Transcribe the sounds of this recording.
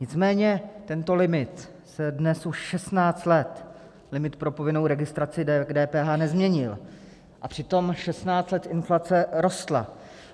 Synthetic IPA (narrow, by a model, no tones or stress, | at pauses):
ɲɪt͡smɛːɲɛt̪ɛnt̪o̞lɪmɪt̪ | sɛdnɛsuʃʃɛst̪naːt͡st̪lɛt̪ | lɪmɪt̪pɾo̞po̞vɪno̞wɾɛɡɪst̪ɾat͡sɪdɛdɛːpɛːɦaːnɛzmɲɛɲɪl | ʔapr̥ɪt̪o̞mʃɛst̪naːt͡st̪lɛt̪ʔɪnflat͡sɛɾo̞st̪la̰